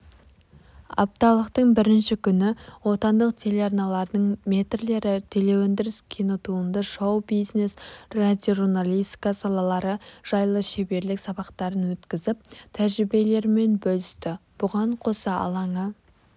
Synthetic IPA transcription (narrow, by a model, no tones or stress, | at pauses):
ɑ̰p̚t̪ɑlˠəqt̪əɴbɪɾɪnʃɪkʲʰʏnɪwo̞t̪ɑnd̪əq̚t̪ʰe̞leɑɾnɑlˠɑɾd̪əɴmʲe̞t̪rle̞ɾɪt̪ʰe̞le̞wɵnd̪ɪɾɪskʲʰinot̪uənd̪ɑʃowbijzne̞srad̪ʲjoʒunalʲijst̪i̥kɑsɑlˠɑlˠɑɾəʒ̥ɑjlˠəʃe̞be̞ɾlɪksɑbɑqt̪ɑɾənwɵt̪kʲɪzɪp̚t̪ʰæɾʒɾɪbe̞le̞ɾme̞nbɵlɪst̪ɪb̥ʊʁɑɴqʰo̞sɑɑ̰lˠɑɴə